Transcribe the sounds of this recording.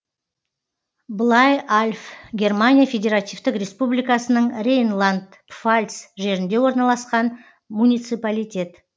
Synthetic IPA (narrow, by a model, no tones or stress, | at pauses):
blˠɑjalʲfɡʲe̞rmanʲijafʲe̞dʲe̞ɾat̪ijft̪ɪkrʲe̞spublijkasənəɴrʲejnlˠand̪ | pfalʲt̪sʒe̞ɾɪnd̪e̞wo̞ɾnɑlˠɑsqɑn | munʲijt̪sɨpalʲijt̪ʲe̞t̪